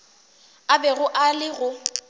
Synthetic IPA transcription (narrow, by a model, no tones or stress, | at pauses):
abɛɣʊʔalɪɣʊ